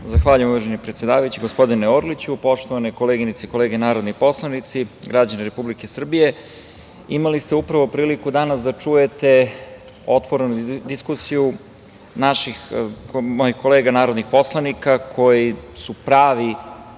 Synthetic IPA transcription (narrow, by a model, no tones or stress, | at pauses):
zaxʋaːʎujemuʋaʒenipɾet̪sje̞d̪aːʋajut͡ɕiɡo̞spo̞d̪ineoɾlit͡ɕupo̞ʂt̪oʋaneko̞leːɡinit̪seiko̞le̞ːɡenaːɾo̞d̪nipo̞slˠanit̪siɡɾad͡ʑaneɾe̞publike̞sr̩bije̞ | imalist̪e̞upɾaʋo̞pɾiːlikud̪anasd̪at͡ʂuje̞t̪e̞ | o̞t̪ʋo̞ɾenud̪iskusiju | naʃixkmojixko̞leːɡanaːɾo̞d̪nixpo̞slˠanikakʰo̞jisupɾaːʋi